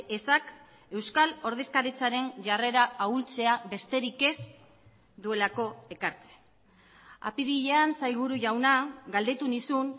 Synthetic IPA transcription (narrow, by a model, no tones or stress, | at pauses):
esak | e̞wskalo̞ɾð̞e̞skaɾit͡saɾe̞nʝare̞ɾaault͡se̞aβe̞st̪e̞ɾike̞s | d̪ue̞lako̞e̞kaɾt͡se̥ | a̰piðiʎeansajɣuɾuʝawnaɡald̪e̞t̪unisun